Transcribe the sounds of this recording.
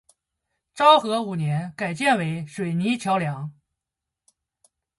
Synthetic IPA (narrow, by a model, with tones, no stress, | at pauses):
ʈ͡ʂɑ˥ʊxɤ˧˥u˨˩njɛ˧˥nka˨˩ɪt͡ɕjɛ˥˩nwe˧˥ɪʂwe˨˩ɪni˧˥t͡ɕʰjɑ˧˥ʊljɑ˧˥ŋ